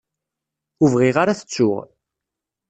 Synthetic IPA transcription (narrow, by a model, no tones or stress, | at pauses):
uvʁiʁaɾaθə̥t͡sːʊ̰ʁ